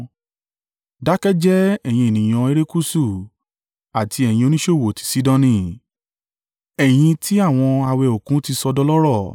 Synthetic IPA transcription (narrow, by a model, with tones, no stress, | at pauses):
da˨˦kɛ˦d͡ʒɛ˦ɛ˦˨j̃ĩ˧e˨nĩ˨j̃ɔ̃˧e˦ɾe˦ku˦su˦˨ | a˨tʰi˧ɛ˨j̃ĩ˧o˧nĩ˦ʃo˦˨wo˨ti̥˨si˨˦dɔ̃˦˧nĩ˧˨ | ɛ˨j̃ĩ˧ti˦a˦˨w̃ɔ̃˧a˧wɛ˧o˨kũ˨˦ti˧sɔ˧dɔ˦lɔ˦ɾɔ˦˨